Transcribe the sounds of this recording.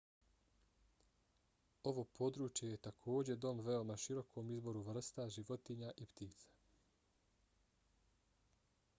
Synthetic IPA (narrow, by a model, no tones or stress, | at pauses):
o̞ʋo̞pʰo̞d̪ɾuːt͡ʃje̞jet̪akʰo̞ːd͡ʑe̞d̪o̞mʋe̞o̞maʃiɾo̞kʰo̞mizbo̞ɾuʋr̩st̪aʒiʋo̞t̪iɲaʔipt̪iːt̪sḁ